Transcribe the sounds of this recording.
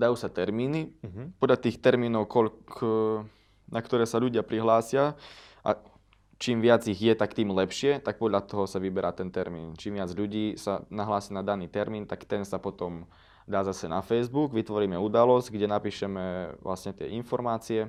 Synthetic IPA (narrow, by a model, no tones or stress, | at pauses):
d̪ajuːsat̪ɛɾmiːnipɔd̪ʎat̪iːxt̪ɛɾmiːnɔʊkɔk | nakt̪ɔɾɛːsaʎuɟɪapɾiɦlaːsɪa | ʔa̰ | t͡ʃiːmʋɪad͡ziɣjɛt̪akt̪iːmlɛpʃɪɛt̪ak̚pɔd̪ʎat̪ɔɦɔsaʋibɛɾʔaːt̪ɛnt̪ɛɾmḭːnt͡ʃiːmʋɪad͡zʎuɟiːsa̰naɦlaːsiːnad̪aniːt̪ɛɾmiːnt̪akt̪ɛnsapɔt̪ɔm | d̪aːzasɛnafɛjzbuɡʋit̪ʋɔɾiːmɛud̪alɔzɟɡɟɛnapiːʃɛmɛʋla̰sɲɛt̪ɪɛ̰ʔinfɔɾmaːt͡siɛ